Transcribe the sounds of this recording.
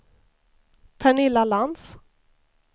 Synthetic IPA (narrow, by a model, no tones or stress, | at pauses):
pʰɛɳɪlːalans